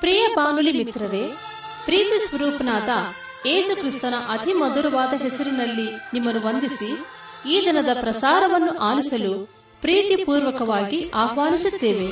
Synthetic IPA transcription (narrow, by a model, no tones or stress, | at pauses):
pɾiːjɐpaːnulimit̪ɾɐɾe̞ | pɾiːt̪isʋɐɾuːpɐnaːt̪ɐ | eːsukɾist̪ɐnɐʔɐd̪ʱimɐd̪uɾɐʋaːd̪ɐɦɛsɐɾunɐlːinimːɐnuʋond̪isi | iːd̪inɐd̪ɐpɾɐsaːɾɐʋɐnːuʔaːlisɐlu | pɾiːt̪ipuːɾʋɐkɐʋaːɡiaːɦʋaːnisut̪ːe̞ːʋe̞